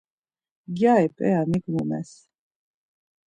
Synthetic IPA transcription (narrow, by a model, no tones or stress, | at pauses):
ɡjaipʼɛaniɡmumɛ̰s